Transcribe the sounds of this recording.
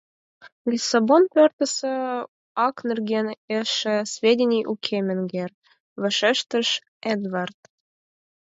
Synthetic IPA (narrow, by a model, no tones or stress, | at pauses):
lʲisɑbonpørt̪ə̆sə̆ | ɑknɘ̆rɡʲeneʃɘ̆svʲedʲenʲijʔukʲʰemʲɘ̆nɡer | vɘ̆ʃeʃt̪ə̆ʃ | ed̪vɑrt̪̚